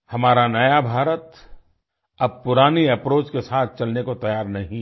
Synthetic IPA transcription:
hɐmaːɾanɐjabʱaːɾət̪ | ɐb̚pʊɾaːniɐpɾoːt͡ʃkesaːt̪̚ʰt͡ʃɐlnekot̪ɐjaːɾnɐɦĩ

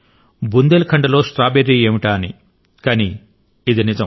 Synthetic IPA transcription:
bund̪elkʰɐɳɖɐlo̞ːsʈɾaːbeɾːieːmiʈaːnḭ | kɐniː | d̪inid͡ʒɐ

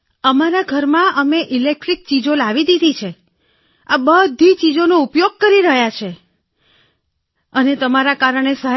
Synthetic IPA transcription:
əmaɾaɡʱəɾmãʔəmeʔilek̚ʈɾik̚t͡ʃid͡ʒolaʋid̪id̪ʱit͡ʃʰe | abəd̪ʱit͡ʃid͡ʒonoupjoɡ̚kəɾiɾəɦjat͡ʃʰe | ənet̪əmaɾakaɾəɳ̃esəɦ

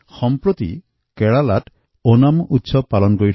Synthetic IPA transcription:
xɔmpɾɔt̪ḭ | keɭalaʈ | onamut̪ːsɔpalɔnkoi

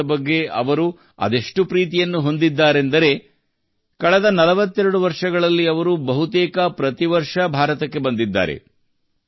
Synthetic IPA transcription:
ɐbɐɡːe̞ɐ̰ʋɐɾu | ɐ̰d̪e̞ʂʈupɾiːt̪ijɐnːuɦo̞nd̪id̪ːaːɾe̞nd̪ɐɾe̞ | kɐɭɛd̪ɐnɐlɐʋɐt̪ːɛɾɐɽuʋɐɾʂɐɡɐɭɐlːiɐʋɐɾubɐɦut̪ɛːkɐpɾɐt̪iʋɐɾʂɐbʱaːɾɐt̪ɐkːe̞bɐnd̪id̪ːa̰ːɾe̞̰

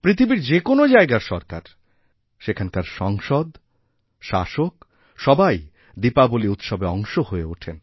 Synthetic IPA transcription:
pɾit̪ʰibiɾd͡ʑekonod͡ʑaeɡaɾʃɔɾka̰ɾ | ʃekʰankaɾʃɔŋʃod̪ | ʃaʃok | ʃɔbaj | d̪ipaboliut̪ʃɔbeɔŋʃohoeuʈʰen

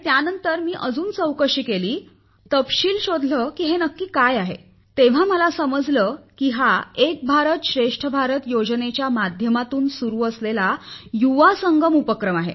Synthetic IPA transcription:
t̪janənt̪əɾmiːʔəd͡zuːnt͡səwkəɕiːkeliː | t̪əpɕiːlɕod̪ʱləkiːɦenəkːiːkajaɦe | t̪eʋ̤aməlasəməd͡zləkiɦaek̚bʱaɾət̪ɕɾeʂʈʰəbʱaɾət̪jod͡ʑnet͡ɕjamad̪ʱjəmat̪uːnsuɾuːəslelajuʋasəŋɡəmupəkɾəmaɦḛ

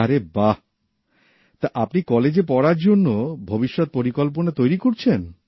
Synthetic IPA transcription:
aɾeba | t̪aʔapnikɔled͡ʑepɔɾaɾd͡ʑonːobʱobiʃːot̪̚poɾikolponat̪ojɾikoɾt͡ɕʰen

